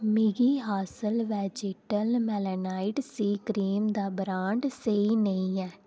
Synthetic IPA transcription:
mɪɡiːɦaːsəlʋɛːd͡ʒeːʈəlmɛlənaːɪʈsiːkɾiːmd̪aːbɾaːɳɖseinəĩːɛː

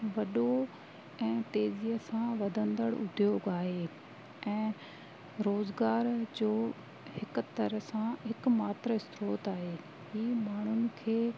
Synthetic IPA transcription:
ʋɐɗo | ɛ̃ːt̪eːziəsãʋɐd̪ʱə̃nd̪əɽʊ̰d̪ʱijoɡaːɦeː | ɛ̃ː | ɾoːzɡaːɾd͡ʑoː | hɪk̆t̪ɐɾəsãɦɪkmaːt̪ɾəɪst̪ɾoːt̪aːɦeː | ɦiːmaːɳ̤ʊnɪ̆kʰeː

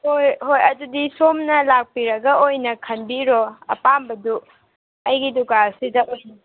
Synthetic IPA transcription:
hojhojɐdudisomnɐlak̚piɾɐɡɐojnɐkʰɐnbiɾoɐ̰pambɐdu | ɐjɡidukasidɐʔojnɐ

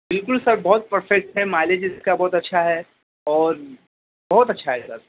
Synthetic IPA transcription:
bɪlkʊlsɐɾbɔɦʊt̪̚pɐɾfɛk̚ʈɦɛmaːled͡ʒɪskabɔːt̪ɐtːʃʰaɦɛ | ɔːɾ | bɔɦt̪ɐtːʃʰaɦɛsɐ̰ɾ

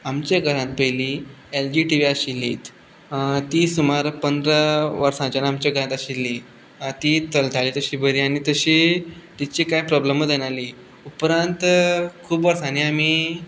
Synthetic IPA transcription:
amt͡ɕjaɡʱəɾãt̪̚pəjlield͡ʑiʈiʋiaɕilːḭːt̪ | t̪iːsumaɾpənd̪ɾəʋəɾsãt͡ɕanamt͡ɕjaɡʱəɾãt̪aɕilːi | t̪it̪əlt̪ʰaliːt̪əɕiːbʱəɾiːañit̪əɕiːt̪it͡ɕiːkajpɾɔbləməd̪jeñali | upɾãnt̪kʰuːbʋəɾsãniami

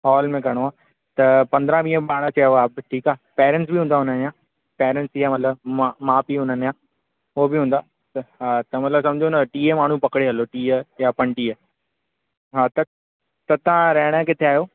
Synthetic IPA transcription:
ɦɔːlmẽkɐɽ̃oaː | t̪ɐpɐ̃nd̪ɾãʋĩːəpaːɽ̃ət͡ɕeoaːbʈʰiːkaːpɛːɾɛ̃ɳʈs̬biɦũːnd̪aɦʊn̤ənjãː | pɛːɾɛ̃ɳʈsiːɦamɐt̪ləbmamãːpiɦʊn̤ənjãː | ɦobɪɦũːn̆d̪aː | t̪ɦaːt̪ɐmɐt̪ləbsɐ̃md͡ʑʱonɐʈiːemaːɳ̤ũpɐkɽeɦɐloʈiːəjapɐɳʈiːə | ɦaːt̪ɐ | t̪ɐt̪ãɾɐɦɪɽ̃əkɪt̪ʰeaːɦjoː

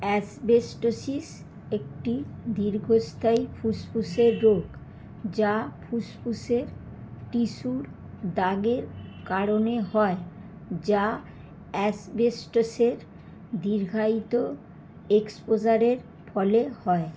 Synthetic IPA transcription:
ɛsbesʈosis | ek̚ʈid̪iɾɡʱost̪ʰajfʰuspʰuseɾːoɡ | d͡ʑapʰuspʰuseɾ | ʈiʃuɾ | d̪aɡeɾkaɾoneɦɔe | d͡ʑa | ɛsbesʈoseɾ | d̪iɾɡʱait̪o | ekspod͡ʑaɾeɾ | fʰɔlehɔe

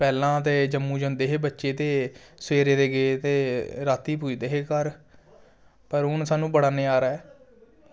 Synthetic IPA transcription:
pɛːlãːt̪eːd͡ʒəmːũːd͡ʒə̃nd̪eːɦeːbətːʃeːt̪eːsweːɾeːd̪eːɡet̪eːɾaːt̪iːpuːiːd̪eːɦeːkəɾ | pəɾʊnsaːnũːbəɽaːneːaːɾaːɦɛː

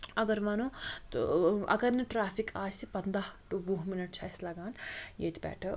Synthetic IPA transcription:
ɐɡəɾʋɐnut̪ɐ̰ɡɐɾniʈɾaːpʰikʰaːsipɐnd̪ahʈubuɦminɐʈ̚t͡ʃʰɐslɐɡaːnjḛt̪ʰibɛ̰ːʈʰɐ

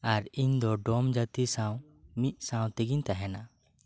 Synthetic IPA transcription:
aɾiɲd̪ɔɖɔmd͡ʒat̪isãw | mit̪̚ˀsãw̃t̪ɛɡiɲt̪aɦɛna

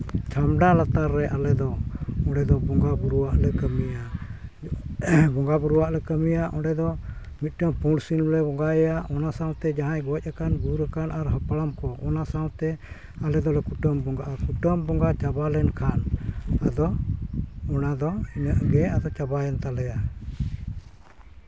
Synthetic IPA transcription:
t͡ʃʰamɖalat̪aɾːɛʔalɛd̪ɔɔɖɛd̪ɔbɔŋɡabuɾuwaʔlɛkəmija | bɔŋɡabuɾuwaʔlɛkəmijaʔɔɖɛd̪ɔ | mit̪̚ˀʈəmpuɽsillɛbɔŋɡajɛjaʔɔnasãwt̪ɛd͡ʒaɦãjɡɔɛc̚ˀakanbuɾəkanaɾɦapaɽamkɔʔɔnasawt̪ɛ | alɛd̪ɔlɛkuʈəmbɔŋɡaʔakuʈəmbɔŋɡat͡ʃabalɛnkʰanad̪ɔ | ɔnad̪ɔinəʔɡɛad̪ɔt͡ʃabajɛnt̪alɛja

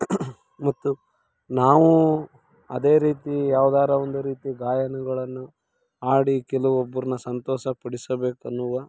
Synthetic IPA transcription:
mɐt̪ːu | naːʋu | ɐ̰d̪e̞ːɾiːt̪ijaːʋud̪aːɾɐond̪uɾiːt̪iɡaːjɐnɐɡɐɭɐnːu | aːɽikɛluʋobːɐɾunɐsɐnt̪ɔːʃɐpɐɽisɐbe̞ːkuɐnːuʋaː

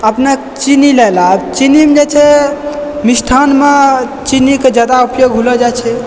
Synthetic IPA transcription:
əpnekt͡ʃinilɛlaəbt͡ʃinimd͡ʒet͡ʃʰɛ | misʈʰanme | t͡ʃiniked͡ʒad̪aupjoɡɦuləd͡ʒat͡ʃʰɛ

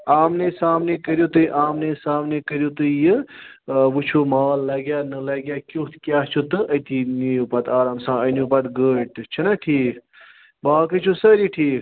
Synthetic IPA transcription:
aːmnesaːmnekɐɾjot̪ɨiʔaːmnesaːmnekɐɾjot̪ɨjɨ | ʋut͡ʃʰumaːlːɐɡjaːnɨlɐɡʲjaːkʲot̪ʰkʲjaːt͡ʃʰut̪ɨʔɐt̪inijupɐt̪aːɾaːmsãːɐnjupɐt̪ɡəːʈt͡ʃʰɐnɐʈʰiːk | baːkət͡ʃʰusɐɾiʈʰiːk

